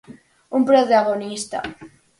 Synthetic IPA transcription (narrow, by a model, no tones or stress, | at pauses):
umpɾot̪aɣonist̪a̰